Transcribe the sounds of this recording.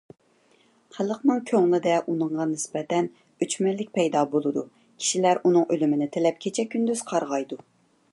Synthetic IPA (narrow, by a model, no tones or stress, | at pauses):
χælˠəqnɨŋkʲʰøŋlˠɪd̪ɛʔunɨɴʁɑnɪsbɛt̪ɛn | øt͡ʃmɛlːɪk̚ʲpʰɛjd̪ɑːbolˠɨd̪u | kʲʰi̥ʃilæɾʔunɨŋølymɪnɪt̪ʰelɛp̚kʲʰet͡ʃʰɛkʲʰːynd̪yz̥qʰɑɾʁɑjd̪u